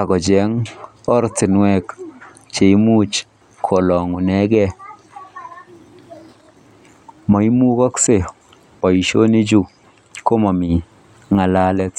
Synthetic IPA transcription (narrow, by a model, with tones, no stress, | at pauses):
a˨kɔ˨d͡ʒɛ˨˦ŋ | ɔ˦ɾtɪ˨nwɛ˦˨k | t͡ʃe˨i˦mu˦t͡ʃ | kʰo˨lɔ˨ŋu˨nɛ˦ɡɛ˦ | mɔ˨i˦mu˦kɔ˦kse˨ | pɔ˨i˨ʃo˦ni˦d͡ʒu˦˨ | ko˦ma˨mi˨ | ŋa˨la˦lɛ˦t